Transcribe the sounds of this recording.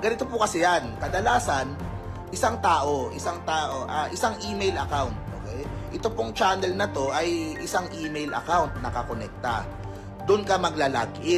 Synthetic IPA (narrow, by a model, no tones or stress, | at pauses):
ɡɐnɪt̪opʊkɐsɪjankɐd̪ɐlaːsɐn | ʔɪsaŋt̪aːʔo̞ʔɪsaŋt̪aːʔo̞ʔaʔɪsaŋʔiːmejlɐkawnt̪̚ʔo̰ːkɛjʔɛt̪opoŋt͡ʃaːnɛlnɐt̪o̞ʔɐjʔɪsaŋʔiːmejlʔɐ̰kawnt̪̚nɐkɐkonɛk̚t̪ɐ̰ | d̪ʊnkɐmɐɡlala̰ɡʔɪ